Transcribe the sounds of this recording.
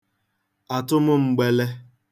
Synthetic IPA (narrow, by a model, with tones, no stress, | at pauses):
a˨tʊ˦mʊ˦ŋ͡m̩˨ɡ͡be˦le˦